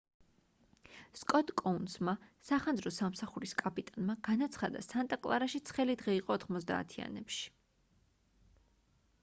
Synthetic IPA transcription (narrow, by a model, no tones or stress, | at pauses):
skʼɔt̪ʼkʼɔunsmasaχanzɾɔsamsaχuɾiskʼapʼit̪ʼanmaɡ̥anat̪sʰχad̪a̰sant̪ʼakʼlˠaɾaʃit̪sʰχɛlid̪ʁɛiqʼɔːt̪ʰχmɔz̬d̪a̰ːt̪ʰia̰nɛpʃi̥